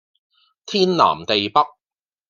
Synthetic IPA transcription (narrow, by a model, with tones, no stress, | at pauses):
t̪ʰiː˥nla̰ː˨˩mt̪e˨jpɐ˥k̚